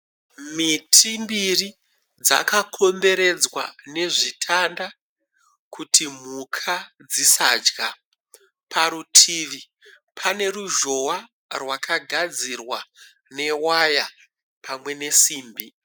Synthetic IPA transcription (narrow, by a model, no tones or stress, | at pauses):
mitʰimbiri | d͡za̰kakʰo̞mbe̞ɾe̞d͡zwa̰ne̞ʐitʰanda | kʰutʰim̤ukʰad͡zisa̰d͡ʒɡa | pʰaɾutʰiʋi | pʰane̞ruʒo̞wa | rwakʰaɡʱad͡zirwa | ne̞waja | pʰamwe̞ne̞siːmbi